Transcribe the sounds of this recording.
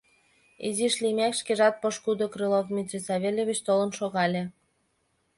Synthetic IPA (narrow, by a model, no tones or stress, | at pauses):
iziʃlʲimʲækʃkeʒɑt̪̚poʃkud̪okrɨlofmʲit͡ɕesɑβʲelʲeβʲit͡ɕt̪olə̆nʃoɣɑlʲĕ